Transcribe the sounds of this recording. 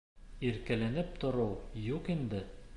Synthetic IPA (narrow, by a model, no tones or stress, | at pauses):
iɾkælænɘp̚t̪ŏɾɤwjuqind̪ɘ